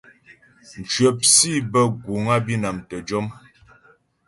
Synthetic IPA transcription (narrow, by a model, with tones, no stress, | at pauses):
n̩˨t͡ʃɥə˨p̚si˦bə˦ɡu˨ŋa˦bi˦na˨mtə˨d͡ʒɔ˦m